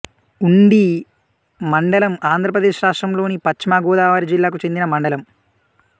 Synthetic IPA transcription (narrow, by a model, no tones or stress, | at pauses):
uɳɖi | mɐɳɖɐlɐmaːnd̪ʱɾɐpɾɐd̪eːʃɾaːʂʈrɐmlo̞ːnipɐt͡ʃimaːɡoːd̪aːʋaːɾid͡ʒilːaːk̬ut͡ʃe̞nd̪inɐmɐɳɖɐlɐm